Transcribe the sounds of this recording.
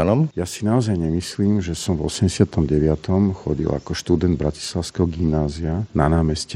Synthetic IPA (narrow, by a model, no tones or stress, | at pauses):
anɔmjasinaɔzajɲɛmisliːmʒɛsɔmvɔ̰sɛmɟɛsɪat̪ɔmɟɛʋɪat̪ʰɔmxɔɟḭla̰kɔʃt̪ud̪ɛnd̪̚bɾaci̥slaʊskɛɦɔɡimnaːziananaːmɛscɛ